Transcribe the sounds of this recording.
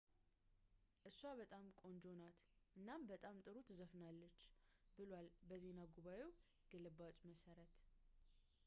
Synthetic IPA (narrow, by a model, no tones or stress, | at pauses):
ʔɨsːwaβət̪ʼamkʼo̞nd͡ʒo̞nat̪ʔɨnːambət̪ʼamt̪ʼɨɾut̪ʰɨzəfnalːət͡ʃːbɨlwalbəze̞naɡuβaje̞w | ɡ̥əlɨbat͡ʃ̪ʼməsəɾət̪